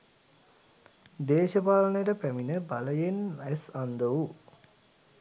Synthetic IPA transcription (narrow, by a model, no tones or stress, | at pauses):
d̪eːʃəpaːlənəjəʈəpæminəbaləjenæsand̪əʋu